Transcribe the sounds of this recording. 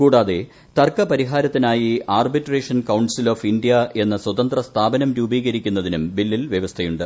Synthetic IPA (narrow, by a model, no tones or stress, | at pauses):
kuːɽaːðe̞ | t̪ɐrkɐpɐɾiɦaːɾɐt̪ːinaːjiaːrbiʈreːʂɐnkɐwnsiloːfindijɐʔe̞nːɐswɐt̪ɐnd̪rɐst̪ʰaːbɐnɐmɾuːbiːɣɐɾikʲːunːɐðinumbilːilʋjɐʋɐst̪ʰɐjuɳɖɨ